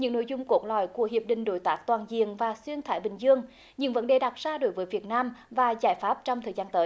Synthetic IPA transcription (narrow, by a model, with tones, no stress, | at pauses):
ɲɨ̰˧˥ŋno̰˧˥˦jzʊ˧ŋ͡mko˨˦˥t̚lɔ̰˧˨jku˧˩əɦi˨˩əp̚ɗï˧˨ŋ̟ɗo˨˦jt̪aː˨˦˥k̚t̪waː˨˩nzḭ˧˨əŋvaː˨˩swi˧ənt̪ʰaː˧˩jɓï˨˩ŋ̟zɨ˧əŋ | ɲɨ̰˧˥ŋvə˨˦nɗe˨˩ɗa˨˩t̚zaː˧ɗo˨˦jvəː˨˦jvi˨˩ət̚naː˧mvaː˨˩zaː˧˩jfaː˦˥p̚t͡ɕɔ˧wŋ͡mt̪ʰəː˨˩jzaː˧nt̪əː˨˦j